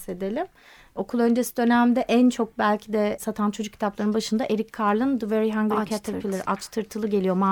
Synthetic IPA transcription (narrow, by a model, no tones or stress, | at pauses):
se̞d̪elʲim | o̞kʰulˠø̞nd͡ʒe̞sid̪ø̞næmd̪ɛʔænt͡ʃʰo̞k̚bælʲcʰid̪ɛsat̪ʰant͡ʃʰo̞d͡ʒuk̚cʰit̪ʰaplˠaɾɯnbaʃɯnd̪aʔe̞ɾicʲkʰaɾlˠɯnd̪ɯveɾiɦaŋɡilkʰat̪ʰapʰilʲˠiɾʔat͡ʃt̪ʰɯɾt̪ʰɯlˠɯɟe̞lʲijo̞ma